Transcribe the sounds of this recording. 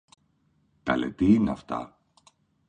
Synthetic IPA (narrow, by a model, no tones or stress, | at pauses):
t̪ɐlḛt̪iineɐft̪ɐ̰